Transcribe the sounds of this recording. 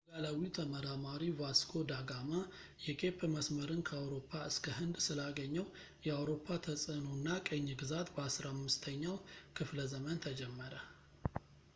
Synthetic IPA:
ɡalawit̪ʰəməɾamaɾivaskʰo̞d̪aɡama | jɛkʼe̞pʰːməsməɾɨnkʰəawɾo̞pʰːaɨskʰəɦɨnd̪sɨlaɡəɲːəw | jɛawɾo̞pʰːat̪ʰəsʼənonːakʼəɲːɡɨzat̪bəasɾaamːɨst̪ʰəɲːawkʰɨfləzəmənt̪ʰəd͡ʒɛmːəɾə

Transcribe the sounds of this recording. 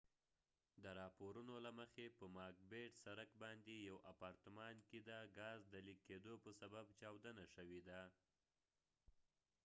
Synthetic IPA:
d̪əɾɑpoɾunolaməxepəmɑɾk̚beɖsaɾəkbɑnd̪ejawapɑɾt̪əmɑnked̪əɡɑzd̪əliked̪opəsababt͡ʃɑwd̪ənaʃəwed̪a

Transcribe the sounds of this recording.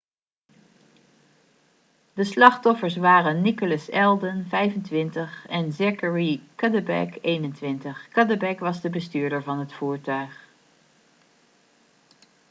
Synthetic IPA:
dəslɑχtɔfəɹs̬ʋaːrənːikələsɛlˠdənvɛjvəntʋɪntəχɛnzɛkəɹikədəbɛ̰kejnəntʋɪntəχkɑdəbɛkʋɑzdəbəstyːɹdəɹvɑnɦətfuːɹtœɥχ

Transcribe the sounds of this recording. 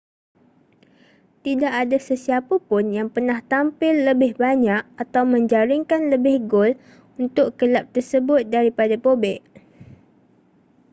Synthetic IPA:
t̪idaʔadasəsiapapʊnjaŋpərnaht̪ampɪlːəbɪhbaɲak̚at̪awmə̃ɲd͡ʒaɾɪŋkanləbɪhɡol | unt̪ʊʔkəlap̚t̪ərsəbʊt̪̚daɾipadapobɛʔ

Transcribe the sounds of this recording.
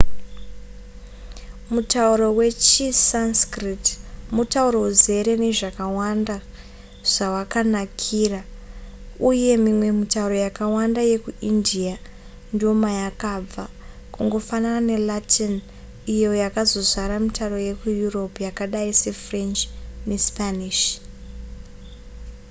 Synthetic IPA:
mutauɾo̞we̞t͡ʃisanskritmutauɾo̞uze̞ɾe̞ne̞ʐakawanda | ʐ̥awakanakʰiːra | uje̞mimwe̞mitauɾo̞jakawandaje̞kuʔindia | ndio̞majakab͡va | kuŋɡo̞fanarane̞latʰin | ijo̞jakazo̞zʷaɾamitaɾo̞je̞kujuro̞pjakaɗaise̞frent͡ʃne̞spaniʃ

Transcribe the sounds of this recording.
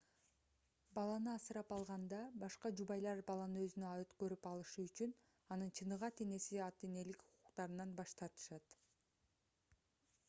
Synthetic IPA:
bɑlˠɑnɯɑsɯɾɑpɑlˠʁɑnd̪ɑbɑʃqɑd͡ʒubɑjlˠɑɾbɑlˠɑnɯø̞zynøøt̪kø̞ɾypɑlˠɯʃuyt͡ʃyn | ɑnɯnt͡ʃʰɯnɯʁɑt̪e̞ne̞siɑt̪e̞ne̞likuquqt̪ɑɾɯnɑnbɑʃt̪ɑɾt̪ɯ̥ʃɑt̪

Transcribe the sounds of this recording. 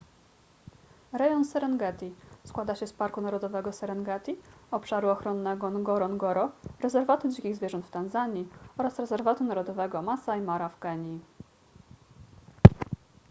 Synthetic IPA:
ɾɛjɔnsɛɾɛnɡɛt̪ʲiskwad̪aɕɛspaɾkunaɾɔd̪ɔvɛɡɔsɛɾɛnɡɛt̪ʲiɔpʂaɾuɔxɾɔnːɛɡɔnɡɔɾɔnɡɔɾɔɾɛzɛɾvat̪ud͡ʑikʲiɣzvʲjɛʐɔnt̪ft̪anzaɲiɔɾasɾɛzɛɾvat̪unaɾɔd̪ɔvɛɡɔmasaimaɾafɡɛɲi

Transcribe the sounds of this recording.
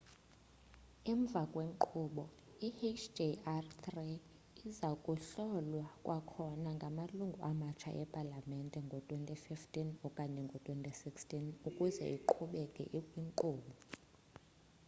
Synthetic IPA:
ɛɱb̪vʱakʼweŋǃuːɓɔ | ihet͡ʃʰd͡ʒeartʰri | izakʼuɬɔlwakʼwʔakʰɔnaŋɡʱamaluŋɡʱuʔamat͡ʃʰa̰ʔɛpʼalamɛntʼɛŋɡʱɔtʼwentʼififtʼinɔkʼaɲɛŋɡʱɔtʼwentʼisikstʼinukʼuzɛ̰ʔiǃʰuɓɛkʼɛ̰ʔikʼwiŋǃuːɓɔ

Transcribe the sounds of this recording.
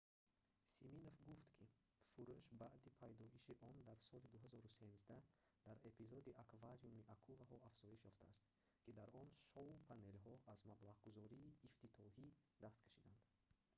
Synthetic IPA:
siminofɡuft̪kʰi | fuɾuʃbaʔd̪ipʰajd̪ɔiʃiʔɔnd̪aɾsɔlid̪uɦazɔɾuse̞mzd̪a | d̪̥aɾe̞pizɔd̪iʔakvaɾijumiʔakʰulaɦɔafz̥ɔiʃjɔft̪aːst̪ | kʰid̪aɾɔnʃɔupʰane̞lɦɔʔazmablaʁɡuzɔɾiːft̪ʰit̪ʰɔhid̪ast̪kʰḁʃid̪and̪̥

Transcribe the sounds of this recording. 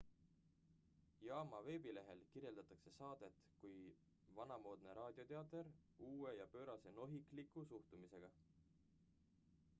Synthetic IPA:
jɑːmɑve̞ːbile̞ɦe̞lkirje̞ld̪̥ɑt̪ːˑɑkse̞sɑːd̪̥e̞t̪kuj | vɑnɑmo̞ːd̪̥ne̞ɾʔɑːd̪̥ʲjo̞t̪e̞ɑt̪ˑeɾuːe̞jɑpø̞ːɾɑse̞no̞ɦiklikˑusuht̪umise̞ɡ̥ɑ

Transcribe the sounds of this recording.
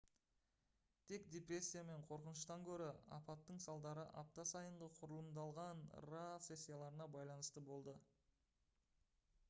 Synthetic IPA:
t̪ʰe̞kd̪ʲe̞pɾe̞sʲːijame̞ɴqʰo̞ɾqənəʃt̪ɑŋkʲʰɵɾɪɑ̰pɑt̪ːəɴsɑlˠd̪ɑɾəʔɑp̚t̪ɑsɑjəɴʁəqʰʊɾəlˠəmd̪ɑlˠʁɑnrat̪se̞sʲːijalˠɑɾənɑbɑjlˠɑnəst̪əbo̞lˠd̪ə

